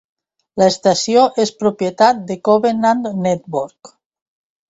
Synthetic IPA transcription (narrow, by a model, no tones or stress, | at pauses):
laest̪asjoʔespɾopjet̪at̪̚d̪ekoβenand̪net̪̚boɾk